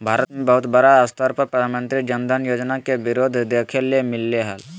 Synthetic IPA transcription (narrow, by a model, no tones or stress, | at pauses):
bʱaːɾət̪mẽbəɦʊt̪bəɾaəst̪əɾpəɾpɾəd̪ʱamə̃nt̪ɾid͡ʒənd̪ʱənjoːd͡ʒnakebɪɾoːd̪ʱd̪ekʰeliemɪlːeɦəl